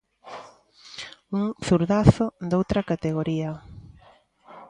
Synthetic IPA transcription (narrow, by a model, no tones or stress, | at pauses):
uŋθuɾðaθʊd̪owt̪ɾɐkat̪eɣ̞oɾiɐ